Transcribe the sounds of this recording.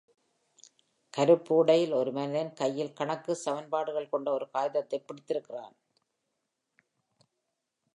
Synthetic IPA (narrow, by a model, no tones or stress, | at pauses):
kɐɾɯpːuːɽɐjɪlɔɾɯmɐnɪðɐnkɐjːɪlkɐɳɐkːɯsɐʋɐnpaːɽɯɣɐɭkɔɳɖɐɔɾɯkaːjɪðɐt̪ːɐɪpːɪɽɪt̪ːɪɾɯkːɪra̰ːn